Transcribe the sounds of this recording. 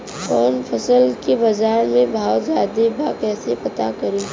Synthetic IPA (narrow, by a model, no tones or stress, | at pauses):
kɔːnpʰɐsəlkebaːzaːɾmẽbʱaːʊzaːd̪ebʱakɛːsepɐt̪akɐɾiː